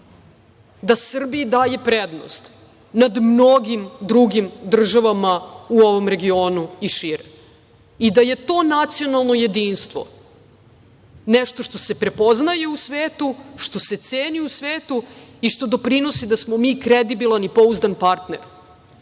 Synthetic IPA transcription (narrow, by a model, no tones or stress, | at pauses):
d̪asr̩biid̪aːje̞pɾed̪no̰st̪ | nad̪mno̞ɡimd̪ɾuɡimd̪r̩ʒaʋamauo̞ʋo̞mɾe̞ɡio̞ːnuiʃiɾe | id̪aje̞t̪o̞ːnat̪sio̞nalˠno̞je̞d̪iːnst̪ʋo̞̰ | nɛʃt̪o̞ʃt̪ose̞pɾe̞po̞znajeusʋeːt̪uʃt̪o̞se̞t̪seːniusʋeːt̪uiʃt̪o̞d̪o̞pɾino̞sid̪asmomiːkɾed̪ibilˠanipo̞uzd̪anpaɾt̪neɾ